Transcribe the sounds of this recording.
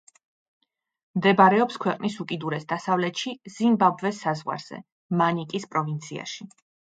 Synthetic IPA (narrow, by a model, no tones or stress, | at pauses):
md̪ɛbaɾɛɔpskʰwɛqʼnisukʼid̪uɾɛsd̪asavlɛt̪ʃiz̥imbabvɛsːazʁwa̰ɾz̥ɛ̰ | manikʼispʼɾɔvint̪sʰia̰ʃi